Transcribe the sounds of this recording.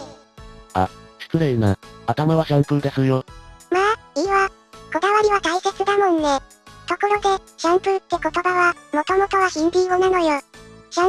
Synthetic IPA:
a̰ɕi̥kɯ̟ɾeina̰at̪amaβaɕãmpɯ̟ɾɯ̟d̪esɨɾɯjomaiβa | ko̞d̪aβaɾʲiβat̪aike̞t͡sɨd̪amõ̞nːe̞ | t̪o̞ko̞ɾo̞d̪e̞ɕãmpɯ̟ɾɯ̟t̪ːe̞ko̞t̪o̞baβamo̞t̪o̞mo̞t̪o̞βaɕĩmbʲionano̞joɕã

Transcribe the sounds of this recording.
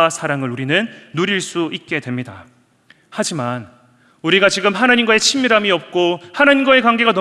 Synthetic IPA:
asʰaɾaŋɯɾuɾinɯnːuɾiɭs͈uit̚k͈e̞dwe̞mɲida | had͡ʑiman | uɾiɡat͡ɕiɡɯmɦanaɲimɡae̞t͡ɕʰimːiɾamiʌp̚k͈ohanaɲimɡae̞kwaŋɡe̞ɡanʌ

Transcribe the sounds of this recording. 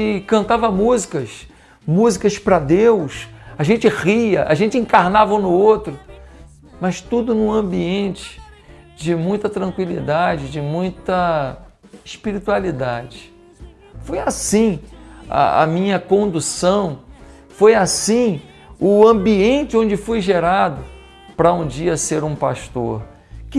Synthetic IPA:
ɪkɐ̃nt̪avɐmuzikɐs | muzikɐspɾɐd̪ewsaʒẽnt͡ʃɪʁiɐ̰ʔa̰ʒẽnt͡ʃɪĩŋkaɾnavɐũnʊowt̪ɾʊ | mɐst̪ud̪ʊnʊɐ̃biẽnt͡ʃɪ̥ | d͡ʒɪmũj̃t̪ɐt̪ɾɐ̃kwilḭd̪ad͡ʒɪd͡ʒɪmũj̃t̪ɐ | ɪʃpiɾit̪ualid̪ad͡ʒɪ | fojasĩɐ̰ɐ̰mĩɲɐkõnd̪usɐ̃w̃ | fojasĩ | ʊɐ̃biẽnt͡ʃɪõnd͡ʒɪfojʒeɾad̪ʊ | pɾɐũd͡ʒiɐseɾũpa̰ʃt̪oɾ | kɪ

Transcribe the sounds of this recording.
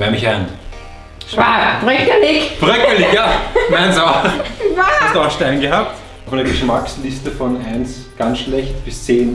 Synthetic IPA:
vɛɐmɪçaɪn | ʃpapʁœkəlɪçpʁœkəlɪçjamɛɪnso | astaʃtɛɪnɡəɦaːp̚t | fandɐɡəʃmakslɪstəfɔnʔaɪns | ɡ̥ansʃlɛçtb̥ɪst͡seːn

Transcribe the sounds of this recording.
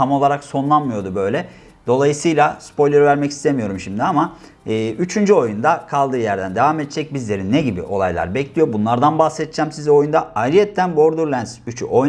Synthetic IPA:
amo̞lˠaɾakso̞nlˠanmɯjo̞d̪ubø̞jlʲɛ | d̪̥o̞lˠajɯsɯjlˠaspo̞jlʲeɾivæɾmɛci̥st̪ʰemijo̞ɾumʃimd̪iama | ɯːyt͡ʃʰynd͡ʒyo̞jund̪akʰalˠd̪ɯːjæɾd̪ænd̪e̞vamet̪t͡ʃʰɛc̚bizlʲe̞ɾinːɛɟibḭʔo̞̰lˠa̰jlˠa̰ɾbɛclʲijo̞bunlˠaɾd̪anbaxsɛt̪̚t͡ʃʰæmsizo̞jund̪aalʲijɛt̪ʰːænboɾd̪uɾlʲˠænsyt͡ʃʰy̰ʔoj

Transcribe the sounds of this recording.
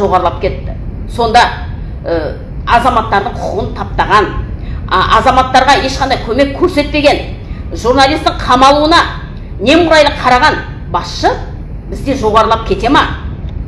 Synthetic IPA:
ʒo̞ʁɑɾəlˠɑp̚kʲʰe̞t̪ːɪ | so̞nd̪ɑ | ə | ɑzɑmɑt̪ːɑɾd̪əɴqʰʊ̥əʁənt̪ʰɑp̚t̪ɑʁɑn | ʔɑzɑmɑt̪ːɑɾʁɑje̞ʃqɑnd̪ɑjkʲʰɵme̞kʲʰɵɾse̞t̪̚pe̞ɡʲe̞n | ʒuɾnalʲijst̪ɪɴqʰɑmɑlˠuənɑ | ne̞mʊɾɑjlˠəqʰɑɾɑʁɑn | bɑsʃə | bɪzd̪e̞ʒo̞ʁɑɾəlˠɑp̚kʲʰe̞t̪e̞mɑ

